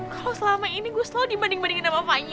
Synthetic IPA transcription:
kalosəlamainiɡuasladibandɪŋbandɪŋnamamaɲ

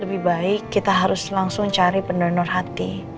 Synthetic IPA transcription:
ləbɪhbaɪkːit̪aɦaɾʊslaŋsʊŋt͡ʃaɾipəndɔnɔrɦat̪i

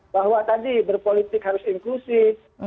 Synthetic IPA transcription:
baɦwat̪adibərpolit̪ɪkhaɾʊsiŋklusɪf

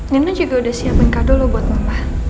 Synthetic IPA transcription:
ŋənad͡ʒuɡaudahsiabənkadɔlobɔt̪̚mambah

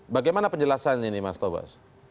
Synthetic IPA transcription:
baɡajmanapəɲd͡ʒəlasananimast̪oba̰s

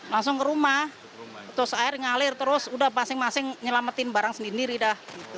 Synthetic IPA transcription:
laŋsʊŋkəɾumah | t̪ʊsaɪrŋalɪrt̪əɾʊsudahpasɪŋmasɪŋɲəlamət̪ɪnbaɾaŋsəndindiɾidahit̪u

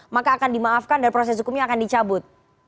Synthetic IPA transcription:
makaːkandimaafkandanpɾos̬ɛs̬ɦukumɲaːkandit͡ʃabʊt̪̚

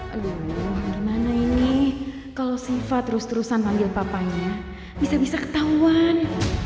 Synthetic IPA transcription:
luhrmanaini | kalosifat̪ːɾʊst̪uɾusanpaŋɡɪlpapaɲa | bisabisakə̥t̪auan

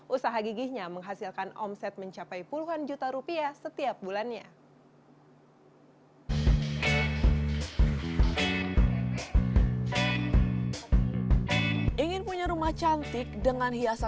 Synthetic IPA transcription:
ʔusaɦaɡiɡihɲaməŋɦasilkanɔ̰msɛt̪̚məɲt͡ʃapajpuluɦand͡ʒut̪aɾupiasət̪iap̚bulanɲa | ʔiŋɪnpuɲaɾumaht͡ʃant̪ɪk̚dəŋanhiasa

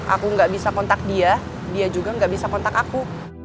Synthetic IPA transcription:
ʔa̰kuŋɡaʔbisakɔnt̪ak̚dia | diad͡ʒuɡaŋɡaʔbisakɔnt̪akaku

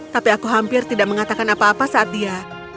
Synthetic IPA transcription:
t̪apiakuɦampɪrt̪idaʔməŋat̪akanapaːpasaʔːt̪̚ija

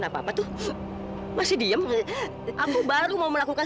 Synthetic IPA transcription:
napaapat̪ʊh | masɪdiəm | ʔakubaɾumauməlakuka

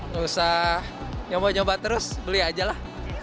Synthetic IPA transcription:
ŋusahɲobaɲombat̪əɾʊsbəliad͡ʒalah

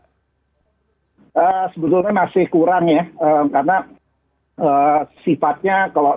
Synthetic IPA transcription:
əːsəbət̪ʊlɲamasɪhkuɾaŋjaəkarna | əsifat̪̚ɲakalo

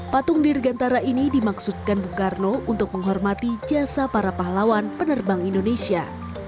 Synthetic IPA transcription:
pat̪ʊŋdirɡant̪aɾaʔinidimaksut̪̚kanbukarnount̪ʊk̚məŋɦɔrmat̪id͡ʒasapaɾapaɦlawanpənərbaŋindonesia̰

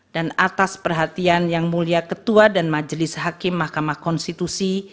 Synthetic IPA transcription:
danat̪aspərɦat̪ianjaŋmuliakət̪uadanmad͡ʒəlɪshakɪmːahkamahkɔnst̪it̪usi

